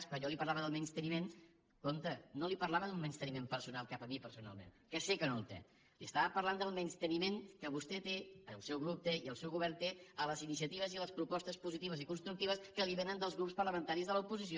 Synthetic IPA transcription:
skaʎɔlipəɾlaβəðəlˠmɛnst̪ənimen | kont̪ənolipəɾlaβəðummənst̪ənimempəɾsunalˠkapəmipəɾsuna̰lˠmḛnkɛsekənolˠt̪ḛ | liəst̪aβəpəɾland̪əlˠmɛnst̪ənimeŋkəβust̪ɛt̪eəlˠsɛwɣ̞ɾup̚t̪eiəlˠsɛwɣuβ̞ɛrnt̪eələzinis̬iət̪iβ̞əziələspɾupɔst̪əspuzit̪iβəzikunst̪ɾukt̪iβəskəliβenənd̪əlˠzɣɾupspərləmənt̪aɾizðələupuzisio

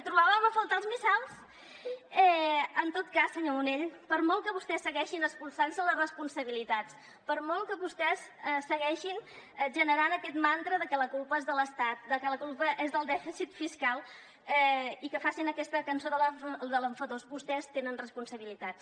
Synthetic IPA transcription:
t̪ɾuβaβəməfolˠt̪əlˠzmisalˠs | ɛənt̪ot̪̚kasːəɲouneʎpəɾmɔlˠkəβust̪ɛsːəɣɛʃinəspulˠsansələrəspunsəβilit̪as | pəɾmɔlˠkəβust̪ɛsəsəɣɛʃin | ɛʒənəɾanəkɛt̪mant̪ɾəðəkɛləkulˠpəezðələst̪at̪̚d̪əkələkulˠpəʔezðəlˠd̪ɛfisit̪fiskalˠ | ɛikəfasinəkɛst̪əkənsoðəld̪əlˠəɱfəðosbust̪ɛst̪enənrəspunsəβilit̪at̪s

